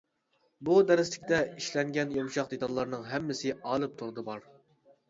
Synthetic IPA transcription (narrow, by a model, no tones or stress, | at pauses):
bud̪ɛɾɪslɪkʲt̪ɛiʃlɛŋɡʲɛnjɑmʃɑqd̪et̪ʰɑlˠːɑɾnɨŋɦɛmːɪsɪɑːlˠɨp̚t̪ʰuɾɨd̪ɨbɑɾ